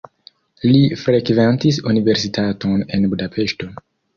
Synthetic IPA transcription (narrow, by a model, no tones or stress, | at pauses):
lifɾe̞kventis̬unive̞ɾsitʰato̞ne̞nbudapʰe̞ʃto̞